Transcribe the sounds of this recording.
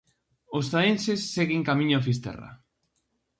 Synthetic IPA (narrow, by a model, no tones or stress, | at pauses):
ost̪aensesːeɣeŋkamĩɲoʊafist̪ɛ̰ra̰